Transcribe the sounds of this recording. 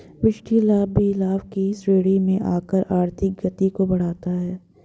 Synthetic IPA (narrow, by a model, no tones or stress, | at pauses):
ʋɪʃʈʰilaːbʱilaːʋkisɾeːɽimẽʔaːkəɾʔaːɾt̪ʰɪk̚ɡɐt̪ikobɐɽ̤aːt̪aɦɛː